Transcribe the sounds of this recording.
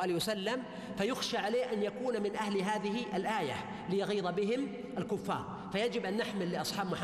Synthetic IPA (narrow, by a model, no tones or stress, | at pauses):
ʔaːlwasalːam | fajʊxʃaʕaleːhʔanjakuːnmɪnʔahlɦaːðɪhɪʔalʔaːja̰ | lɪjaɣiːðˤbɪɦɪm | ʔalkʊfːɑ̰ːɾˤ | fajad͡ʒɪbʔanːɪħmɪlːɪʔɑsˤħɑːbmʊħ